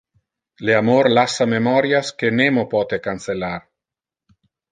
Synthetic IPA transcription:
leamoɾlasːamemɔɾjaskenemopɔt̪ekanselaɾ

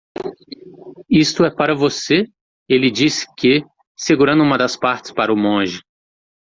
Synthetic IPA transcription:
ist̪ʊɛpaɾɐvose | elɪd͡ʒisɪ̥kɪ | seɡuɾɐ̃nd̪ũmɐd̪ɐspaɾt͡ʃɪ̥spaɾɐʊmõʒɪ

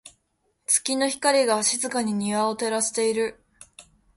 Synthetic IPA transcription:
t͡sɨ̥kʲino̞çi̥kaɾʲiɡaːɕizɨkaɲ̟iɲ̟iβaot̪e̞ɾaɕe̥t̪e̞iɾɯ̟

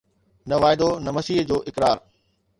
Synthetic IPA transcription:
nɐʋaːɪd̪onɐmɐsiːɦd͡ʑoːʔɪkɾaːɾ

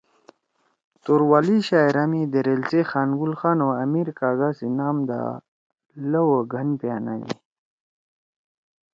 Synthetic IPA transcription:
t̪uɾwaːliɕaːjɾamid̪əɾelsexaːnɡulxaːnoamiɾkaːɡasinaːmd̪a̰ | ləwəɡʱənpjaːna̰lḭ

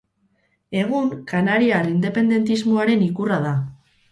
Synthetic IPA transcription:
e̞ɣ̞uŋkanaɾiarind̪e̞pe̞nd̪e̞nt̪izmoaɾe̞nikuraða

